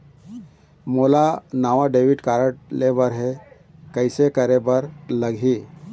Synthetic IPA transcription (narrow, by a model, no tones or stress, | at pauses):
molanaʋaɖeʋiʈkaɾəʈleʋəɾɦe | kəjsekəɾebəɾləɡʱi